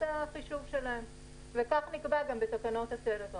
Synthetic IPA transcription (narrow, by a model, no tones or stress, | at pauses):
aχiʃuvʃe̞lahem | vekaχnikbaɡambet̪akano̞t̪asedeto